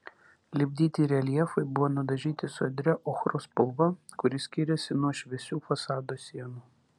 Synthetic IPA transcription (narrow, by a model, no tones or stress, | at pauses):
lʲɪbʲd̪ʲiːt̪ʲiːɾʲɛlʲiɛfɐɪbʊʋoːnʊd̪ɐʒʲiːt̪ʲɪsʊɐd̪ʲɾʲɛʔɔxɾospɔlˠʋɐkʊɾʲɪsʲkʲɪɾʲɛsʲɪnuɔʃʲʋʲɛsʲuːfɐsɑːd̪oːsʲiɛnuː